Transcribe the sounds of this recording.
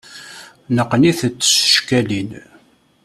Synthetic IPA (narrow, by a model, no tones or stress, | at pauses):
nəqːniθt͡sːə̥sə̥ʃkælin